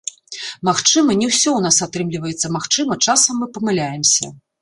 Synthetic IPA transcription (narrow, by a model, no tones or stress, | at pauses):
maxt͡ʂɨmɐnʲɛwsʲɔun̪asat̪ɾɨmlʲivɐjɛt̪sːɐmaxt͡ʂɨmɐt͡ʂasɐmːɨpɐmɨlʲajɛmsʲɐ̰